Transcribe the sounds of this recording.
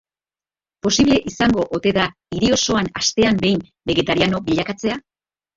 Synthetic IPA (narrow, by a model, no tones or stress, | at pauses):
po̞siβle̞ʔisaŋɡo̞ʔot̪e̞ða | iɾio̞so̞anast̪e̞ambe̞jm | be̞ɣe̞t̪aɾiano̞biʎakat͡se̞a